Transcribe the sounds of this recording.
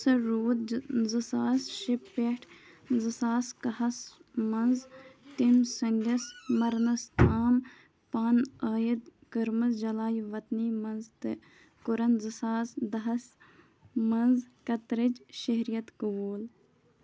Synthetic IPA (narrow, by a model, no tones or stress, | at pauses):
sɐɾuːd̪zɐsaːsʃɪpːeʈʰ | zɐsaːskɐɦɐsmɐnzt̪insɐŋɡɐsmɐɾnɐst̪ʰaːm | paːnaːjid̪kəɾmɐzd͡ʒɐlaːjʋɐt̪niːmɐnzt̪ | kʊɾɐnzəsaːsd̪ɐɦɐs | mɐnzkɐt̪ɾɪd͡ʒʃɐɦɾijɐt̪kɐʋuːl